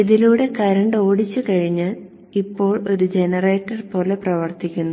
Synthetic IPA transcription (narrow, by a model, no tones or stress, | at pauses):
iðiluːɽe̞kɐɾɐɳɖo̞ːɽit͡ɕːukɐɻiɲːɨ | ipːo̞ːɭo̞ɾud͡ʑe̞nɐreːtːɐrpo̞ːleprɐʋɐrt̪ikʲːunːu